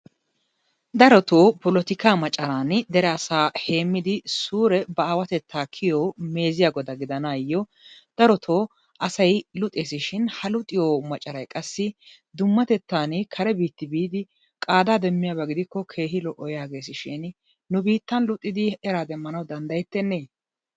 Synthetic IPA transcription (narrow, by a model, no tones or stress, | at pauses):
d̪ɐɾɔt̪o̞ːpɔlɔt̪ɪkaːmɐt͡ʃʼːɐɾaːnd̪ɛɾɛɐsaːhe̞ːmːɪd̪ɪsuːɾɛbɐaːwɐt̪ɛt̪ʰːaːkʰɪjoːme̞ːzɪjaːɡɔd̪ɐɡɪd̪ɐnaːjːɔ | d̪̥ɐɾɔt̪ʰo̞ː | ʔɐsɐjlʊt̪ʼeːsɪʃɪnhɐlʊt̪ʼːɪjɔmɐt͡ʃʼːɐɾɐjkʼɐsːɪ | d̪ʊmːɐt̪ɛt̪ːaːnkʰɐɾɛbiːt̪ːɪbiːd̪ɪ | kʼaːd̪aːd̪ɛmːɪjaːbɐɡɪd̪ɪkːɔkʰe̞ːɦɪlɔʔːɔjjaːɡe̞ːsɪʃɪn | nʊbiːt̪ːɐnlʊt̪ʼːɪd̪ɪɛɾaːd̪ɛmːɐnɐwd̪ɐnd̪ɐjɛt̪ːɛnːeː